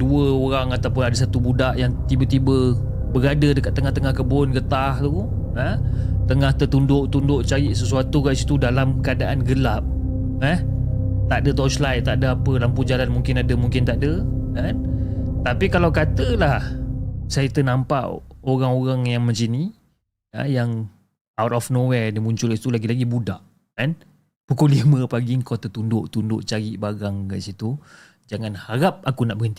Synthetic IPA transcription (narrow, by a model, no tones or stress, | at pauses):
duəoɾaŋat̪awpʊnadəsat̪ubudaʔjaŋt̪ibət̪ibə | bəɾadədəkat̪ːəŋaht̪əŋahkəbʊnɡət̪aht̪u | ə | t̪əŋaht̪ət̪undʊʔt̪undʊʔt͡ʃajɪʔsəsuat̪uɣaʔsit̪udalamkəadaʔanɡəlap̚ | ɛh | t̪aʔdət̪awslajt̪aʔdəapəlampud͡ʒalanmũŋkɪnadəmuŋkɪnt̪aʔdəant̪apikalawkat̪əlahsajət̪ənampa̰ʔoɣaŋoɣaŋjaŋmə̃ɲt͡ʃini | a̰jaŋ | awt̪̚ɔfnowɛdəmuɲt͡ʃʊliit̪ulaɡilaɡibudaʔ | kan | pukʊlimə̃paɡiŋkot̪ət̪undʊʔt̪undʊʔt͡ʃaɡiʔbaɡaŋka̰ʔsit̪u | d͡ʒaŋãnhaɾap̚akunaʔbəənt̪i